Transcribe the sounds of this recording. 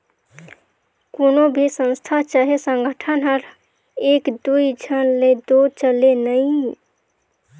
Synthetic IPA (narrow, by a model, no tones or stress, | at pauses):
konobʱisə̃nst̪ʰat͡ʃaɦesəŋɡʱəʈʰənɦəɾ | ekd̪uid͡ʒʱənled̪ot͡ʃəlenəĩ